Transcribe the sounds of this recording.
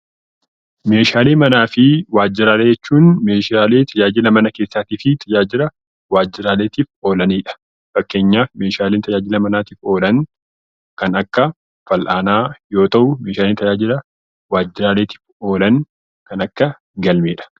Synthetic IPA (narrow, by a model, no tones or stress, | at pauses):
me̞ːʃaːle̞ːmɐnaːfɪwaːd͡ʒːɪɾaːleːd͡ʒɛt͡ʃːuːnmeːʃaːle̞ːt̪ʰɐd͡ʒaːd͡ʒɪlɐmɐnɐkeːsːaːt̪iːfɪt̪ʰɐd͡ʒaːd͡ʒɪɾɐ | waːd͡ʒːɪɾaːleːt̪iːfo̞ːlɐniːᶑɐ̥ | fɐkːe̞ːɲːaːfme̞ːʃaːleːnt̪ʰɐd͡ʒaːd͡ʒɪlɐmɐnaːt̪iːfo̞ːlɐŋ | kɐnɐkːɐ | fɐlʔaːnaːjo̞ːt̪ɐʔʊme̞ːʃaːlent̪ɐd͡ʒaːd͡ʒɪɾɐ | waːd͡ʒːɪɾaːleːt̪i̥ːfo̞ːlɐn | kɐnɐkːɐ | ɡɐlmeːᶑɐ̥